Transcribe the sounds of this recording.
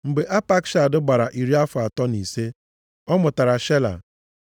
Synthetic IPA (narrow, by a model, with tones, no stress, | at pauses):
m̩˨ɡ͡be˨ʔa˦pa˦kʃa˨dʊ˦ɡ͡ba˨ɾa˨ʔi˨ɾi˦a˦fʊ˨a˨tɔ˦ni˨se˦ | ɔ˦mʊ˨ta˨ɾa˨ʃe˦la̰˨